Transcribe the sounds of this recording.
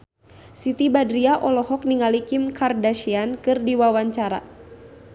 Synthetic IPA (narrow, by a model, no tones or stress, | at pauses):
sit̪ibadɾiaʔɔlɔhɔk̚niŋalikimkardaʃiankɨrdiwawaɲt͡ʃaɾa̰